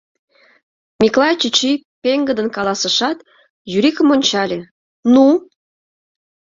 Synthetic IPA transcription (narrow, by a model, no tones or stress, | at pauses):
mʲiklˠɑjt͡ɕit͡ɕipeŋɡəd̪ənkɑlˠɑsə̆ʃɑt̪ | jyɾikə̆monʲt͡ɕɑlʲe | nu